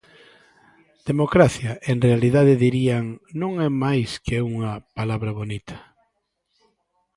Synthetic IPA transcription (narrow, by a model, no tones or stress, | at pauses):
d̪̥emokɾaθjɐʔeŋrealiðaðɪðiɾiaŋnõŋɛmajskeuŋɐpalaβɾɐβonit̪ʰɐ̥